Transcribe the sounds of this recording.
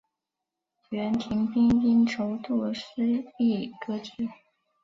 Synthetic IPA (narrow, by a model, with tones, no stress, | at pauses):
ɥɛ˧˥nt̪ʰi˧˥ŋpi˥npi˥nʈ͡ʂʰo˧˥ʊt̪ɔ˥˩ʂ̩˥i˥˩kɤ˥ʈ͡ʂɻ̩˥˩